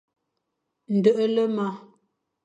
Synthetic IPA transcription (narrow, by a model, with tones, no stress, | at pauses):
n̩˨də˨ʔə˦lə˦ma˦